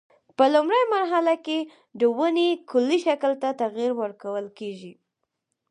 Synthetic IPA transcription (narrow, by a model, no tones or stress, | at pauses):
pəlʊmɾəjmaɾɦalake | d̪əwənekʰʊlːiʃakəlt̪at̪aɣiɾwəɾkawəlkeʒi